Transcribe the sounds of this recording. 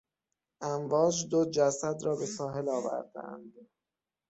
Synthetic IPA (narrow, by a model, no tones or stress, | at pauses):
ʔæmvɒːd͡ʒd̪od͡ʒæsæd̪ɾɒːbe̞sɒːɦe̞lɒːvæ̰ɾd̪æ̰nd̪